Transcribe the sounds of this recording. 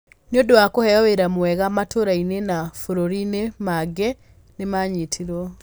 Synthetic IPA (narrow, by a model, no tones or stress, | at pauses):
njodowakohɛɔweɾamwɛɣamatoɾainenafoɾoɾinemaɡɛ | nemaɲetʰiɾɔ